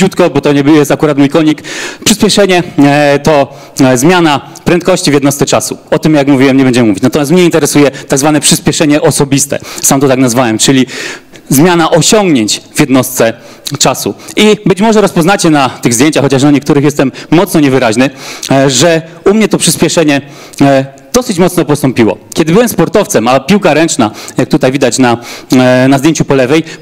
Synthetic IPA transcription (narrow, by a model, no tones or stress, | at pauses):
ut̪kɔbɔt̪ɔɲɛjɛst̪akuɾat̪mujkɔɲikpʂɘspʲjɛʂɛɲɛt̪ɔ | zmʲjana | pɾɛnt̪kɔɕt͡ɕivʲjɛd̪nɔst̪sɛt͡ʂasṵɔt̪ɘmjakmuvʲiwɛmɲɛbɛɲd͡ʑɛmɘmuvʲit͡ɕnat̪ɔmʲjast̪mɲɛint̪ɛɾɛsujɛt̪aɡzvanɛpʂɘspʲjɛʂɛɲɛʔɔsɔbʲist̪ɛ̰samt̪ɔt̪aknazvawɛmt͡ʂɘlʲi | zmʲjanaʔɔɕɔ̃ŋɡɲeɲt͡ɕvʲjɛd̪nɔst̪sɛ | t͡ʂasuʔibɘt͡ɕmɔʐɛɾɔspɔznat͡ɕɛnat̪ɘɣzd̪jeɲt͡ɕaxɔt͡ɕaʂ̬naɲɛk̚t̪uɾɘxjɛst̪ɛmːɔt̪snɔɲɛvɘɾaʑnɘʐɛ | umɲɛt̪ɔpʂɘspʲjɛʂɛɲɛ | d̪̥ɔsɘt͡ɕmɔt̪snɔpɔst̪ɔmpʲiwɔ̰kʲɛd̪ɘbɘwɛmspɔɾt̪ɔft̪sɛmapʲiwkaɾɛnt͡ʂnajak̚t̪ut̪ajvid̪at͡ɕna | nazd̪jeɲt͡ɕupɔlɛvɛj